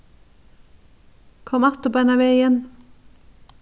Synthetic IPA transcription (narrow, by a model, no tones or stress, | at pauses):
kʰɔmɑt̪ʊbɛnɑʋeːɪjɛn